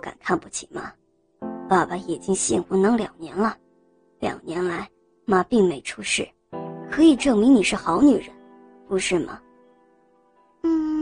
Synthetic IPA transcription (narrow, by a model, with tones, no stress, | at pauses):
ka̰˨˩nkʰa˥˧npu˥˩t͡ɕʰi˨˩ma̰˧˥ | pa˨˩ba˧˩i˨˩t͡ɕi˥ŋɕi˥˩nxu˧˥nɤ˧˥ŋljɑ̰˨˩ŋnjɛ˧˥nlə˧ | ljɑ̰˨˩ʊnjɛ˧˥nla˧˥ɪ | ma˧˩pi˥˩ŋme˧˥ɪʈ͡ʂʰu˥ʂɻ̩˥˩ | kʰɤ˧˥i˨˩ʈ͡ʂɤ˥˩ŋmi˧˥ŋni˨˩ʂɻ̩˥˩xɑ˧˥ʊny˨˩ɻə˧˥n | pu˧˥ʂɻ̩˥˩mɐ̰˩ | n̩˥˩